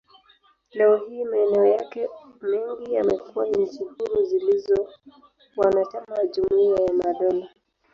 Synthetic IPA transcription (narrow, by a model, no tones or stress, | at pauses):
lɛɔhiːmaɛnɛɔjakɛmɛŋɡijamɛkuwan̩t͡ʃihuɾuzilizɔ | wanat͡ʃamaʄumuiajamaɗɔna